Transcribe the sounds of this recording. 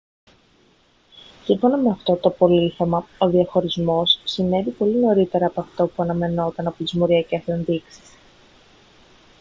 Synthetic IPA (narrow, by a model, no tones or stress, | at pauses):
siɱfo̞nɐme̞ɐft̪o̞t̪o̞po̞liθemɐo̞ðiɐxo̞ɾizmo̞sːine̞vipo̞lino̞ɾit̪e̞ɾɐːpoɐft̪opuɐnɐme̞no̞t̪ɐnɐpot̪izmoɾiɐceseenðiksi̥s